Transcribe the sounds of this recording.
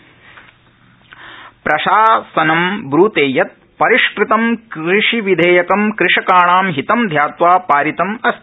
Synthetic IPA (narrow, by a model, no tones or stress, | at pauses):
pɾɐʃaːsɐnɐmbɾuːt̪eːjɐt̪̚ | pɐɾiʃkɾit̪ɐmkɾiʂiʋid̪ʱeːjɐkɐmkɾɪʂɐkaːɳaːmɦit̪ɐmd̪ʱjaːt̪ʋaːpaːɾit̪ɐmɐst̪